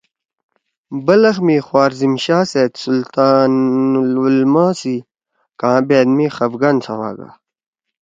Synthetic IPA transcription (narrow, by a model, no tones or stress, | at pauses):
bɐlɐxmiːxwaːɾzimɕaːseːt̪sult̪aːnlulmãːsi | kãːbeːd̪miːxɐvɡɐnt͡sʰɐwa̰ːɡa̰